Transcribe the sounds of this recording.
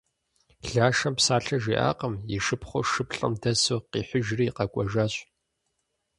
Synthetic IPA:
ɮaːʂɐmpsaːɬɐʒiːʔa̰ːqɐmjiʂɨpχʷʊʂɨpɬʼɐ̰mdɐsoqiːħʷʊʒriːqɐkʷʼɔʒaːɕʼ

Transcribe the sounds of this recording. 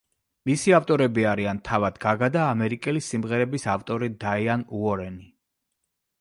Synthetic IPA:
misiaft̪ʼɔɾɛbiaɾiant̪ʰavad̪ɡaɡad̪aːmɛɾikʼɛlisimʁɛɾɛbisaft̪ʼɔɾid̪aianuɔɾɛni

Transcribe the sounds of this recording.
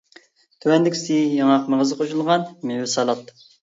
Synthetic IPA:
t̪ʰywɛnd̪ɪkʲsijɑŋɑqməʁəzɨqʰoʃulˠʁɑnmewɪsɑlˠɑt̪̚ː

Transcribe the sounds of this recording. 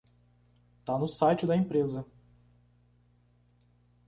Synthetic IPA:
t̪anʊsajt͡ʃɪd̪ɐẽpɾezɐ

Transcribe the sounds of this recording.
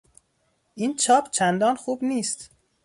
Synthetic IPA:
ʔint͡ʃʰɒːpʰt͡ʃʰænd̪ɒːnxuːbniːst̪

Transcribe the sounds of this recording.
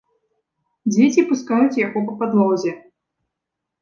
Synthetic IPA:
d͡zʲet͡sʲipuskajut͡sʲjaɣɔp̬ɐpad̪lɔwzʲɛ

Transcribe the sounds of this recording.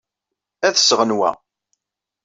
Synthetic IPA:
æðsʁənwæ̰

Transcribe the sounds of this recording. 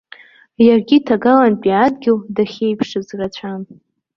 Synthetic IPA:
jarɡʲitʰaɡalanpʼiadɡʲɪldaχʲe̞jpʰʂɨzrat͡ɕʷʰan

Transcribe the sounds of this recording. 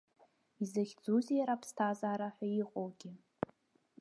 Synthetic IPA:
izaχʲd͡zuzijaɾapʰstʰazaːɾaħʷᶣaiqʼowɡʲɪ

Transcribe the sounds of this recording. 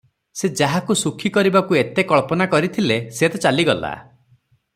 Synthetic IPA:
sed͡ʒaɦakusukʰikɔɾibakuet̪ekɔɭpɔnakɔɾit̪ʰileset̪et͡ʃaliɡɔla̰

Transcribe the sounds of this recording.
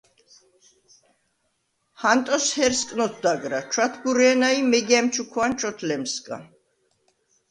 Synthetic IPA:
hant̪ʼɔshɛɾskʼnɔt̪̚ʰd̪aɡɾat͡ʃʰwat̪ʰɡuɾɛːnaimɛɡɛmt͡ʃʰukʰwant͡ʃʰʼɔt̪ʰlɛmskʼa̰

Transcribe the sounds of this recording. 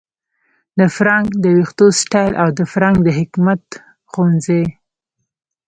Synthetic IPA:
d̪əfɾɑŋɡd̪əwɪxt̪osʈajlʔawd̪əfɾɑŋɡ̚d̪əɦɪkmat̪ | xonze

